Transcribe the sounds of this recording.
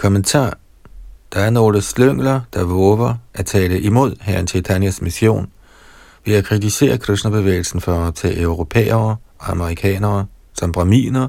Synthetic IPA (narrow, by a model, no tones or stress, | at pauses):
kʰɒ̽mənt͡sʰɑ̰̈ː | d̥ɑ̈æɐno̝ːləsløŋ̰lɐd̥ɑ̈ʋɔːʋɐʔæt͡sʰɛːləʔimo̝ð̞̰ˠɦæɐnt͡sʰet͡sʰænæsmisjo̝̰ːn | ʋe̝ækʰʁit͡sʰise̝̰ːɐkʰʁisnɐb̥e̝ʋḛːɪl̩sn̩fɒɒbt͡sʰɛːʔøʊʁo̝pʰḛːɐːʔɒɑməʁikʰɛ̰ːnɐː | sɒ̽mb̥ʁɑmḭːnɐ